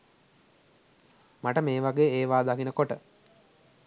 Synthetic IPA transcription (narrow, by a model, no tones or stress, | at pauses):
maʈəmeːʋaɡeːeːʋaːd̪akinəkoʈə